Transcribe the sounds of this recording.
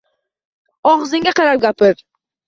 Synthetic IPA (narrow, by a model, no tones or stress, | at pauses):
ɒʁzɪŋɡʲaqɑɾap̚ɡʲapɪɾ